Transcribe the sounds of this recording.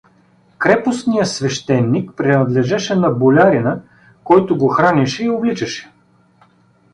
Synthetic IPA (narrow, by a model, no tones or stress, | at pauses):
kɾɛpʊsnijəsvɛʃt̪ɛnːikpɾɛnɐd̪lɛʒɛʃɛnɐbolʲaɾinɐ | kɔjt̪ʊɡoxɾanʲɛʃɛioblit͡ʃɛʃɛ̥